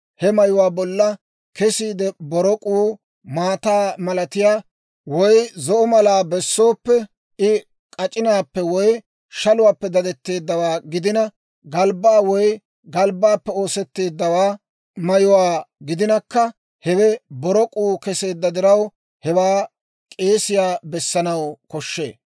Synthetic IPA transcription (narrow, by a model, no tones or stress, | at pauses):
hɛmɐjʊwaːbɔlːɐ | kɛsiːd̪ɛbɔɾɔkʼuː | maːt̪aːmɐlɐt̪ɪjaː | wɔjzɔʔɔmɐlaːbɛsːo̞ːpːɛ | ʔɪ | kʼɐt͡ʃʼɪnaːpːɛwɔj | ʃɐlʊwaːpːɛd̪ɐd̪ɛt̪ːe̞ːd̪ːɐwaːɡɪd̪ɪnɐ | ɡɐlbaːwɔj | ɡɐlbːaːpːɛo̞ːsɛt̪ːe̞ːd̪ːɐwaː | mɐjʊwaːɡɪd̪ɪnɐkːɐ | hɛwɛbɔɾɔkʼuːkɛse̞ːd̪ːɐd̪ɪɾɐw | hɛwaː | kʼe̞ːsɪjaːbɛsːɐnɐwkɔʃːe̞ː